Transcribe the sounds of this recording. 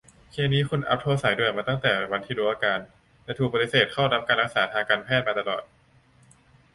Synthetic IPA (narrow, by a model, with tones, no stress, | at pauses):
kʰeː˧niː˦˥kʰu˧nʔa̰˦˥p̚t̪ʰoː˧sa˩˦jduː˥˧˩əjmaː˧t̪a˥˩ŋt̪ɛː˨˩wa˧nt̪ʰiː˧duː˨˩˦ʔa˧kaː˧n | lɛ˦˥t̪u˨˩pa˧t̪i˧seː˨˩t̪̚kʰaː˥˩wna˦˥p̚kaː˧nɾa˦k̚saː˩˦t̪ʰaː˧ŋkaː˧npʰɛː˥˩t̪̚maː˧a˧lɔ̰ː˨˩t̪̚